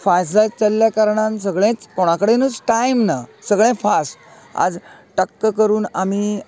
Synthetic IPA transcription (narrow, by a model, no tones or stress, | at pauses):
fajslajt͡səlːjakaɾɳansəɡɭẽt͡skoɽ̃akəɽenət͡sʈaimnasəɡɭẽfasʈ | a̰d͡zʈəkːəkəɾuːnami